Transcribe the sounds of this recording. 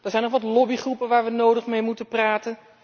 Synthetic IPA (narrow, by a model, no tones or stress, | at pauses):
d̥əɹzɛjnɔχʋɑtlɔbiχrupənʋaːɹʋənowdəχmejmutəpraːtən